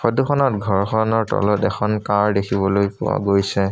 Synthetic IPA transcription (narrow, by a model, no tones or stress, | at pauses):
xodukʰɔnɔtɡʱɔɹxʰɔnɔɹtɔ̰lɔtɛxʰɔnkaɹdekʰibɔlojpʊ̰wa̰ɡojsɛ